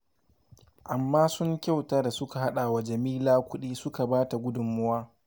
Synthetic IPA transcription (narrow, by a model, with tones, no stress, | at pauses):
ʔa˨mːaː˦sʊ˦ŋkʲa˦˨wtaː˦da˨sʊ˦ka˨ɦa˦ɗaː˨wa˨d͡ʒɐ˨miː˦laː˦kʷʊ˦ɗiː˦sʊ˦ka˨baː˦ta˨ɡʷʊ˦dʊ˨mːʊ˦waː˦